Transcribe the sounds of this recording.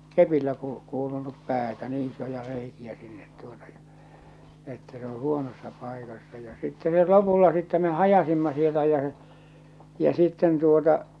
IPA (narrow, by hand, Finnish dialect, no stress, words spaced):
kepilːæ ku kuːlunup pæːtæ niː isojɑ reikiæ sinːet tuotɑ jɑ m etːæ se o huonosːɑ pɑikɑsːɑ jɑ sitːe met lopulːɑ sitːɛ me hɑjɑsimːɑ sieltæ jæ se̥ jɑ sitːen tuotɑ